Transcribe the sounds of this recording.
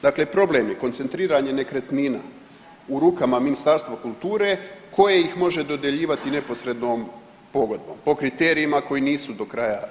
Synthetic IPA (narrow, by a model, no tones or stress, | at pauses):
d̪aklepɾo̞blemjekont̪se̞nt̪ɾiːɾaɲe̞ne̞kɾet̪nina̰ | uɾuːkamaminist̪aɾst̪ʋakulˠt̪uːɾe̞kʰo̞je̞jixmo̞ʒe̞d̪o̞d̪jeʎiːʋat̪ine̞po̞sɾe̞d̪noːm | po̞ɡo̞d̪̚bo̞mpo̞kɾit̪e̞ːɾiimako̞jiniːsud̪o̞kɾaːja